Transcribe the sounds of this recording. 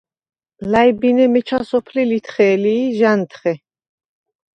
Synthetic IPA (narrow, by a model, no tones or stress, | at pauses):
lajbinɛmɛt͡ʃʰasɔpʰlilit̪ʰχɛːliːʒant̪ʰχɛ